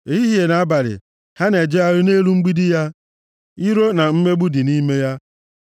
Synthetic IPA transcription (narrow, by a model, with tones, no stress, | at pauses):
e˨˦i˦ɦe˨na˨˦a˦ba˨ɾɪ̰˨ | ha˦ne˨d͡ʒe˦a˦ɾʊ˦ne˦ɾu˦ŋ͡m̩˦ɡ͡bi˦di˦ja˦ | i˦ɾo˦na˨m̩˦me˦ɡ͡bu˦di˨ni˦me˦ja˦